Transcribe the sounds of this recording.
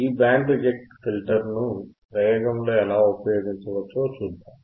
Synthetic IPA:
iːbaːɳɖɐd͡ʒek̚ʈfilʈɐɾnupɾɐjoːɡɐmlo̞ːɛlaːupɐjo̞ːɡiɲt͡ʃɐʋɐt͡ʃːoːt͡ʃuːd̪ːaːm

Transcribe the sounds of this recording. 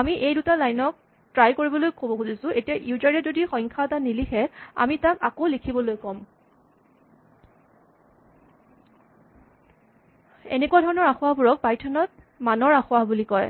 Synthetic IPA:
amiʔejdutalajnɔk̚ | tɹajkoɹibɔlojkʰobɔxuzisʊ̃ʔetijaʔiuzaɹɛzodixɔj̃ŋkʰatanilixɛa̰mitaka̰kolikʰibɔlojkɔm | ḛnekuadʱɔɹɔnɔɹaxʊwaɦbuɹɔk̚pajtʰɔnɔt̚ | manɔɹaxʊaɦbulikɔj

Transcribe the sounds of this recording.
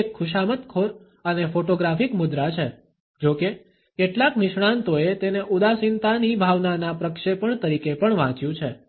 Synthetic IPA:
ekʰːʊʃ̬amət̪kʰoɾ | ənefoʈoɡɾafikmʊd̪ɾat͡ʃʰe | d͡ʒoke | keʈlaknɪʃɽ̃ãnt̪oet̪eneʔud̪asint̪anibʱaʋnanapɾəkʃepəɳt̪əɾikepəɳʋãt͡ʃjũt͡ʃʰe

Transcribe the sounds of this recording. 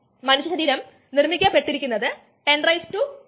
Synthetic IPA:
mɐnuɕːɐɕɐɾiːɾɐm | nirmikʲːapːe̞ʈːiɾikʲːunːɐðɨ | ʈe̞ɳɖrɐjstu

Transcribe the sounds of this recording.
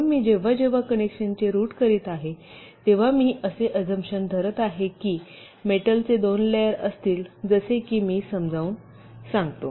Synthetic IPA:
miːd͡ʑeʋ̤ad͡ʑeʋ̤akənekɕənt͡ɕeɾuːʈkəɾiːt̪aɦe | t̪eʋ̤amiːʔəseʔəd͡zəmɕənd̪ʱəɾət̪aɦekiː | meʈəlt͡sed̪onlejəɾəst̪iːld͡zəsekiːmiːsəmd͡zʱauːn | sãŋɡt̪o

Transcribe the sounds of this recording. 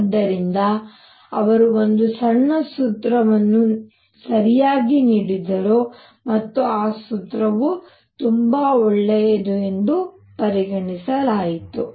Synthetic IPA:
d̪ːɐɾind̪ɐ | ɐʋɐɾuond̪usɐɳːɐsut̪ɾɐʋɐnːu | sɐɾijaːɡiniːɽid̪ɐɾu | mɐt̪ːuaːsut̪ɾɐʋu | t̪umbɐɔɭːejɐd̪ue̞nd̪u | pɐɾiɡɐɳisɐlaːjit̪u

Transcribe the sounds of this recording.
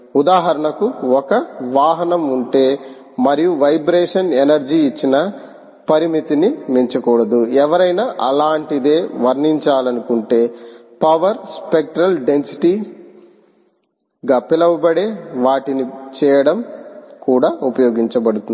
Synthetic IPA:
ud̪aːɦɐɾɐɳɐkuɔkɐʋaːɦɐnɐmuɳʈe̞ː | mɐɾijuʋɐjbɾeːʂɐnenɐɾd͡ʒiːt͡ʃːinɐ | pɐɾimit̪inimiɲt͡ʃɐkɔːɽɐd̪uɛʋɐɾɐjnaʔɐ̰laːɳʈid̪e̞ːʋɐɾniɲt͡ʃaːlɐnukuɳʈe̞ːpɐʋɐɾspek̚ʈɾɐlɖe̞nsi̥ʈi | ɡɐpːilɐʋubɐɽeːʋaːʈinit͡ʃɛːjɐɽɐmkuːɽaːupɐjoːɡiɲt͡ʃɐbɐɽut̪un

